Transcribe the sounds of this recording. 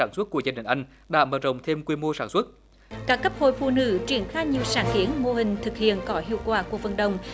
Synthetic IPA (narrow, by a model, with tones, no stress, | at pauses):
aː˧˩nsu˦˥t̚ku˧˩əzaː˧˩nï˨˩ŋ̟ʔa˧jŋ̟ | ɗa̰ː˧˥məː˧˩t̚zə˨˩wŋ͡mt̪ʰe˧mkwi˧mo˧saː˧˩nswt̚ | kaː˦˥kːə˦˥p̚ho̰˧˨jfṵ˧˨nɨ̰˧˥t͡ɕwi˧˩ənxaː˧jɲi˨˩əwsaː˧˩nki˨˦ənmo˧hï˨˩ŋ̟t̪ʰɨ˨˩k̚hḭ˧˨ənkɔ˨˦hḭ˧˨əwkwaː˧˩ku˧˩əvə˨˩nɗə˨˩wŋ͡m